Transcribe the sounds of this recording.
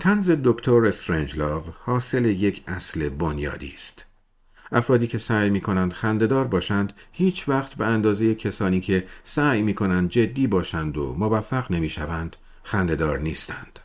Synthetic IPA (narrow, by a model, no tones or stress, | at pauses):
t̪ʰænze̞d̪okʰt̪ʰoɾest̪ɾend͡ʒlɒːvhɒːse̞leje̞cʰæsle̞bonjɒ̰ːd̪ḭːst̪ | ʔæfɾɒːd̪iːkʲʰe̞sæːjmiːkʰo̞nænd̪xænd̪e̞d̪ɒːɾbɒːʃænd̪hiːt͡ʃʰvæχt̪beænd̪ɒːze̞jecʰesɒːniːcʰe̞sæːjmiːkʰo̞nænd̪̚d͡ʒe̞d̪ːiːbɒːʃænd̪o̰movæfːæɣne̞miːʃævænd̪̥ | xænd̪e̞d̪ɒːɾniːst̪ʰænd̪̥